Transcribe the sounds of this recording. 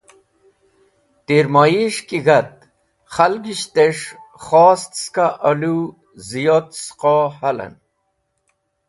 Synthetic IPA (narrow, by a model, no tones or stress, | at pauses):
t̪iɾmoiʂkiɣɐt̪̚ | χɐlɡiɕt̪eʂχoːst̪skaʔolu | zijot̪sqohalɐ̰n